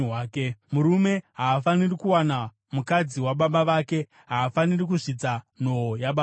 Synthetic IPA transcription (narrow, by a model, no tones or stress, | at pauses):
aːkemuɾume̞ɦaːfanirikuwana | mukad͡ziwaɓaɓaʋaːke̞ | ɦaːfanirik̬uʐit͡sa | n̤oojaɓa